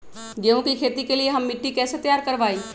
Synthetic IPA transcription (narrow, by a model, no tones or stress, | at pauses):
ɡẽʋũkikʰet̪ikelijeɦəmːiʈːikɛːset̪əjaːɾkəɾʋaːi